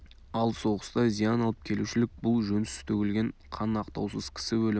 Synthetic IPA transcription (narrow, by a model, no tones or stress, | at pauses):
ɑlˠso̞ʁəst̪ɑzijɑnɑlˠəp̚kʲʰe̞luʃɪlɪk̚bʊlˠʒɵnɪsɪst̪ʰɵkʲɪlɡʲe̞ɴqʰɑnɑqt̪ɑwsəz̥kʲʰɪ̥sɪwɵl